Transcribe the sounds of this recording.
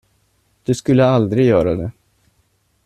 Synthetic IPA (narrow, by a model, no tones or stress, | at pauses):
d̪̥ɵskɵlːəald̪ɾɪɡjœːɾad̪ɛ